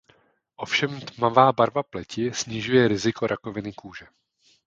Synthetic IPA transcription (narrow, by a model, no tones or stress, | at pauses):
ʔo̞fʃɛmt̪mavaːbaɾvaplɛcɪsɲɪʒujɛɾɪzɪko̞ɾʔako̞vɪnɪkuːʒɛ